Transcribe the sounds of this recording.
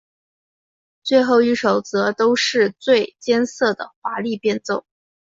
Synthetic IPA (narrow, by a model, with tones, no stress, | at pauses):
t͡swe˥˧ɪxo˥˩ʊy˧˥ʂo˨˩ʊt͡sɤ˧˥t̪o˥ʊʂɻ̩˥˧t͡swe˥˩ɪt͡ɕjɛ˥nsɤ˥˩d̪ə̰˩fa˧˥li˥˧pjɛ˥˧nt͡so˥˩ʊ